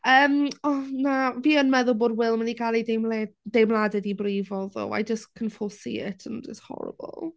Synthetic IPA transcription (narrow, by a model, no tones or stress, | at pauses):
əːmɔnaviːənmɛðʊlˠboːdwɪlˠmaniɡalˠidemlɛd̥ejmlˠadɛdibrivɔðo̰ːa̰jd͡ʒəskʰənfʊlˠsḭɪ̰tʰəndɪshɔ̰ɾə̰bˠə̰lˠ